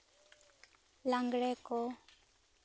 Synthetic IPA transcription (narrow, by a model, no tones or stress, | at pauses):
lãŋɡɽɛkɔ